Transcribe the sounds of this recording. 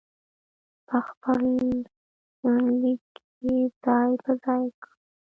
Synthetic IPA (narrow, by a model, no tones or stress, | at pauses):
pəxpəl | lik | ez̥ɑjpəzɑjka